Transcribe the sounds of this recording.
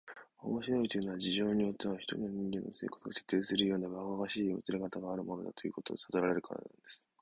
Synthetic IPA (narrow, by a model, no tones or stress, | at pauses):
o̞̰mo̞ɕiɾo̞it̪o̞jɯ̟no̞βad͡ʑiʑo̞ːɲ̟ijo̞t̪ːe̞βaçi̥t̪o̞ɲʲinoɲ̟ĩŋɡʲe̞nːo̞̰se̞ːkḁt͡sɨɡaket̪ːeːsɨɾɯ̟jo̞ːnːaβaoɡaɕiːmo̰t͡sɨɾe̞kat̪aɡaːɾɯ̟mo̞no̞d̪at̪o̞jɯ̟̰ːko̞t̪o̞̰d̪esad̪oɾaɾe̞ɾɯ̟kʰaɾa̰nã̰nd̪e̞sɨ̥